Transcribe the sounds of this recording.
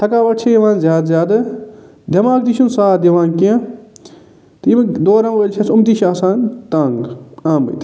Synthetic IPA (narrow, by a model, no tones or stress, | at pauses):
t̪ʰɐkaːʋɐʈt͡ʃʰɐjɐʋãːnzjaːd̪zjaːd̪ɐ | d̪ʱɐmaːk̚d̪iʃʰunsaːt̪ɐʋãːnkiã | t̪ːmɐd̪oːɾɐ̃mʋɐːlʲt͡ʃʰɐsumt̪iːʃaːsaːnt̪aːŋɡãːmbɐ̰t̪